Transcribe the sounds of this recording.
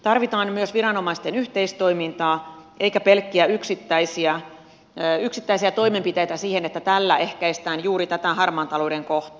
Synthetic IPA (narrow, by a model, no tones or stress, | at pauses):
t̪ɑrʋit̪ɑːnmyøsʋiɾɑno̞mɑist̪enyht̪eist̪o̞imint̪ɑːʔeikæpelkːiæyksit̪ːæisiæ | yksit̪ːæisiæt̪o̞imempit̪ejt̪æsiːhenet̪ːæt̪ælːæʔehkæist̪æːnjuːɾit̪æt̪æɦɑrmɑːnt̪ɑlouɾeŋkoht̪ɑ̥